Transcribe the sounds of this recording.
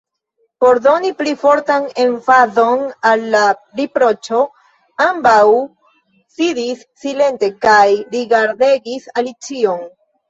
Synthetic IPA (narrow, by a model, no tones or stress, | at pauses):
po̞ɾd̪o̞niplifo̞ɾtane̞ɱfazo̞nalːaɾipɾo̞t͡ʃo̞ | ambaw | sidisːile̞nte̞kajɾiɡaɾd̪e̞ɡisalit͡sio̞n